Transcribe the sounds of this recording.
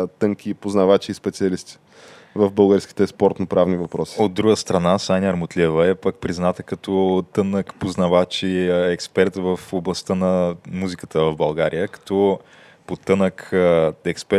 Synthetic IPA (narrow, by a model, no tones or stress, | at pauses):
t̪ɤŋkipoznɐvat͡ʃiːspɛt̪siɐlist̪i̥ | vəvbəlˠɡəɾski̥t̪ɛspɔɾt̪nopɾavnivɐpɾɔsi̥od̪d̪ːɾuɡəst̪ɾɐnasanʲəɾmot̪lʲiɛvəɛpak̚pɾiznat̪əkɐt̪ɔt̪ɤnəkpoznɐvat͡ʃiɛkspɛɾt̪vəfoblˠɐst̪ənɐmuzikə̥t̪əvɐvbɐlˠɡaɾʔijəkɐ̥t̪ɔ | pot̪ɤnəkɛkspɛ